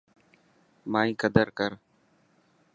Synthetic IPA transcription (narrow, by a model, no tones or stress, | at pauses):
maːĩːkəd̪əɾkəɾ